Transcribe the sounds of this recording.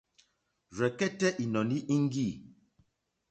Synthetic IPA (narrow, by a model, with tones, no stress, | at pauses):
ɾɛ˨kɛ˦tɛ˦ʔi˨nɔ˨ni˦ʔi˦ŋ˦ɡi˦˨